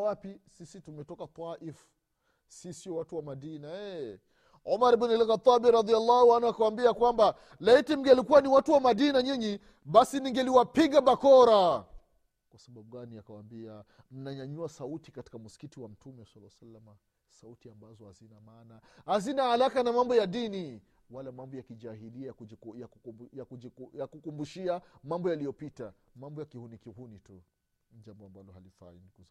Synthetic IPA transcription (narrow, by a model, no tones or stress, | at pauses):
wapisisitumɛtɔkat̪aʔif | sisiɔwatuwamaɗinaɛ | ɔmaɾbinɛlɣat̪ˤːabiɾɑd̪ialːahuanuakawambiakwamba | laitim̩ɡɛlikuwaniwatuwamaɗinaɲiɲi | ɓasiniŋɡɛliwapiɡaɓakɔɾa | kwasaɓaɓuɡaniakawa̰mbia | m̩naɲaɲuasautikati̥kamusi̥kitiwam̩tumɛwsalːawsalama | sautiambazɔhazinamaːnahazinahalakanamambɔjaɗini | walamambɔjakiaɦiliajajakujakukumbuʃiamambɔjalijɔpitamambɔjakihunikihunitu | d͡ʒambɔambalɔhalifa̰iniku